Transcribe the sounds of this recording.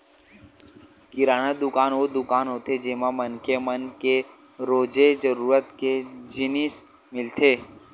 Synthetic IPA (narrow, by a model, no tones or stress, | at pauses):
kɪɾaːnəd̪ʊkaːnod̪ʊkaːnɦoːt̪ed͡ʒɪmamənkemənke | ɾoːd͡ʒed͡ʒəɾuːɾət̪ked͡ʒɪnɪs | mɪlt̪ʰeː